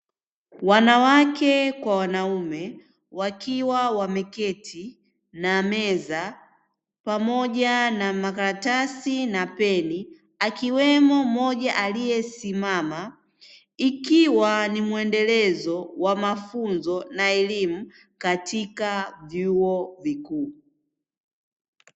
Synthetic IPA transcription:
wanawakɛkwawanaumɛ | wakiwawamɛkɛtʰi | namɛza | pamɔʄanamakaɾatasinapɛni | akiwɛmɔmɔʄaʔalijɛsimama | ikiwanimuɛndɛlɛzɔwamafunzɔnaɛlimu | katʰikavjuɔvikuː

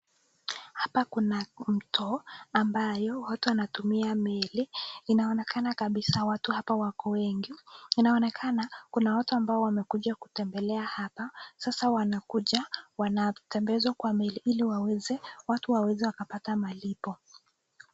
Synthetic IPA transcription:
hapakunam̩tʰɔambajɔwatuwanatumiamɛliːnaɔnɛkanakaɓisawatuhapawakɔwɛŋɡiinaɔnɛkʰanakunawatuambaɔwamɛkuʄaku̥tɛmbɛlɛahapasasawanakuʄawanatɛmbɛzwakwamɛliʔiliwawɛzɛwatuwawɛzɛwakapatamalipɔ

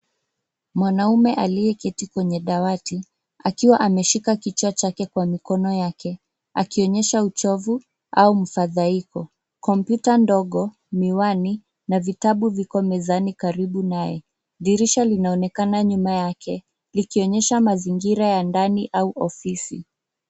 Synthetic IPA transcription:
mwanaumɛʔalijɛkɛtikwɛɲɛɗawati | akiwaʔamɛʃikakit͡ʃat͡ʃakɛkwamikɔnɔjakʰɛ | a̰kiɔɲɛʃaut͡ʃɔvu | a̰umafaðaikɔ | kɔmpjutandɔɠɔ | miwani | navitaɓuvikɔmɛzanikaɾiɓunajɛ̰ | ɗiɾiʃalinaɔnɛkanaɲumajakʰɛ | likiɔɲɛʃamaziŋɡiɾajandaniʔauʔɔfisi

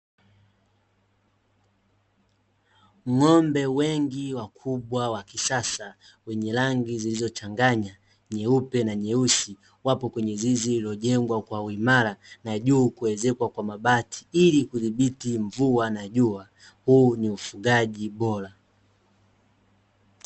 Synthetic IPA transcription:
ŋɔmbɛwɛŋɡiwakʰuɓwawakisasa | wɛɲɛlaŋɡizilizɔt͡ʃaŋɡaɲa | ɲɛupɛnaɲɛusi | wapɔkwɛɲɛziziliɔʄɛŋɡwakwauimaɾanaʄuːkuwɛzɛkwakwamaɓatʰi̥ilikuðiɓitiɱvuanaʄua | huːniufuɡaʄiɓɔɾa

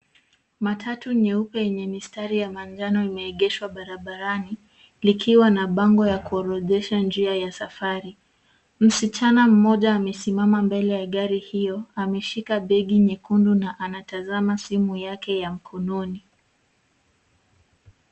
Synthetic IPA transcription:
matʰatuɲɛupɛjɛɲɛmistaɾijamand͡ʒanɔimɛːɠɛʃwaɓaɾaɓaɾani | likʰiwanaɓaŋɡɔjakuɔɾɔʄɛʃand͡ʒiajasafaɾi | m̩sit͡ʃanam̩mɔʄaːmɛsimamambɛlɛjaɠaɾihijɔamɛʃikaɓɛɠiɲɛkundunaʔanatazamasimujakɛjam̩kʰɔnɔni

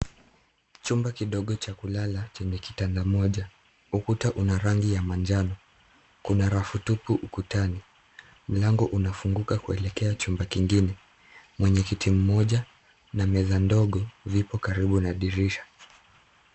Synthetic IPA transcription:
t͡ʃumbakiɗɔɠɔt͡ʃakulalat͡ʃɛɲɛki̥tandamɔʄa | ukutaʔunaɾaŋɡijamand͡ʒanɔ | kunaɾafutupuʔukutani | m̩laŋɡɔʔunafuŋɡukakuɛlɛkɛat͡ʃumbakiŋɡinɛ | mwɛɲɛkitʰim̩mɔʄa | namɛðandɔɠɔvipɔkaɾiɓunaɗiɾiʃḁ

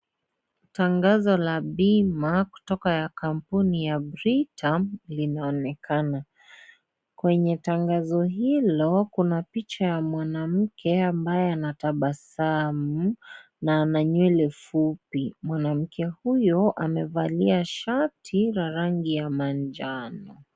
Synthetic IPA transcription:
taŋɡazɔlaɓimaku̥tɔkajakam̩punijabɾitʰalinaɔnɛkʰana | kwɛɲɛtaŋɡazɔɦilɔkunapit͡ʃajamwanam̩kʰɛambajɛanataɓasamu | naːnaɲwɛlɛfupimwanam̩kʰɛhujɔʔamɛvaliaʃatʰiɾaɾaŋɡijamand͡ʒanɔ

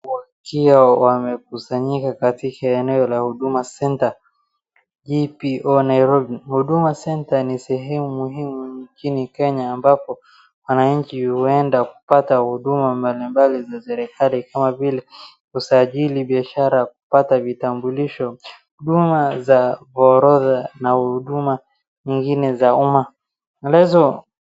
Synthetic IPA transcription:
wakiawamɛk̚usaɲikakatikaɛnɛɔlahuɗumasɛnta | ʄipiʔɔnaiɾɔbihuɗumasɛntanisɛɦɛmumuhimuɲt͡ʃinikɛɲaːmbapɔ | wanaɲ̩t͡ʃihuɛndaku̥patahuɗumambalimbalizasɛɾɛkalikamavilɛ | husaʄiliɓiaʃaɾak̚u̥patavitambuliʃɔhuɗumazavɔɾɔðanahuɗuma | ɲiŋɡinɛzauma | lahizɔ

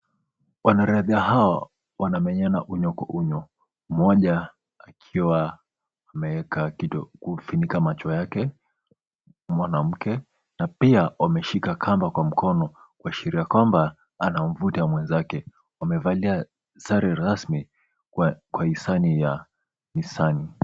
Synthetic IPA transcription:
wanaɾɛaðiaɦawa | wanamɛɲanaʔuɲɔka̰ʔuɲɔ | mɔʄa | akʰiwaː | mɛwɛkakiɔkufinikamat͡ʃɔjakɛ | mwanam̩kɛ | napiawamɛʃikakʰambakwam̩kʰɔnɔ | kuaʃiɾiakwamba | anaɱ̩vutamwɛnzakɛ | wamɛvalia | saɾɛɾasmi | kwaisanija | nisani

